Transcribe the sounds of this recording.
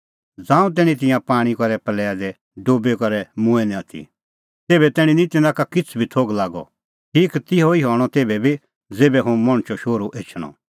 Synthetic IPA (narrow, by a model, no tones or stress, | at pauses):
d͡zãːũt̪̬ɛːɽ̃ĩt̪̬ɪ̃jãpaːɽ̃ikɔɾɛpɐlɛːad̪ɛ | ɖoːbekɔɾɛmũɛ̃nĩat̪ʰḭ | t̪eːbɛt̪ɛːɽ̃ĩnĩt̪ɪ̃nãkakɪt͡sʰbʱit̪ʰoːɡlaːɡɔ̰ | ʈʰiːkt̪ɪɦoiɦɔːɽ̃ɔt̪eːbɛbʱi | d͡zeːbɛɦõmɐ̃ɽ̃t͡ʃɔʃoːɾuʔeːt͡ʃʰɽ̃ɔ̰̃